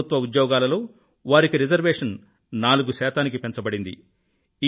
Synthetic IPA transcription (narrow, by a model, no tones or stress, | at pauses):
ut̪ʋɐud̪jɔːɡaːlɐlo̞ː | ʋaːɾikiɾid͡ʒɐɾʋeːʂɐn | naːluɡusɛːt̪aːnikipe̞nt͡ʃɐbɐɽind̪ḭ | i